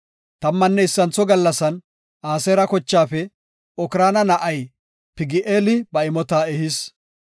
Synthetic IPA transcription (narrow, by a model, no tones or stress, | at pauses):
t̪ɐmːɐnːɛɪsːɐnt͡sːɔɡɐlːɐsɐn | aːseːɾɐkɔt͡ʃːaːfɛ | ɔkɪɾaːnɐnɐʔɐj | pɪɡɪʔeːlɪbɐɪmɔt̪aːɛhɪs